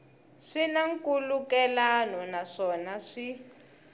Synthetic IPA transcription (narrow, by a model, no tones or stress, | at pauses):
ʂinaŋkulukɛlanɔnaʂɔnaʂi